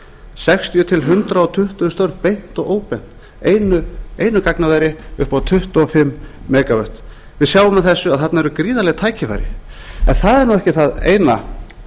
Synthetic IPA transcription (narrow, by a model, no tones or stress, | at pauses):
sɛkst̪ʰijʏt̪ʰɪlɦʏnt̪ɾaɔt̪ʰʏht̪ʏst̪œɥɾpejn̥t̪ɔɣoːwpɛn̥t̪ | eːjnʏeːjnʏkaknavajɾɪʏhpawt̪ʰʏht̪ʏɔfɪmːɛːkavœht̪ | vɪðsjaːwʏmaðθɛsːʏaðθat̪naɛɾʏkɾiːðalɛɣt̪ʰaːjcɪfa̰jɾɪ̰ɛnθaðɛɾnuwɛhcɪθaðḛːjna